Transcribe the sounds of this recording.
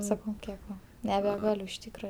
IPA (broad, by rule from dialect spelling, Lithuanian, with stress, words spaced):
sɐˈkɐʊ ˈkʲiɛk ˈʋɐ nʲɛbʲɛˈɡɑːlʲʊ ɪʃ ˈtʲiːkrɐ